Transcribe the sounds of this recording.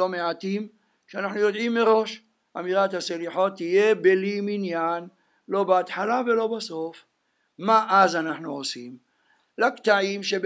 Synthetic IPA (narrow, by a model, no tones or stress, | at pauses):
o̞meʕat̪im | ʃeanaħnujod̪ʕimːeʁo̞ʃ | ʔamiʁat̪haseliħo̞t̪ːijebeliminjan | lo̞beat̪ħalavelo̞baso̞f | maʔazanaħnuosim | lakt̪aʕimʃeb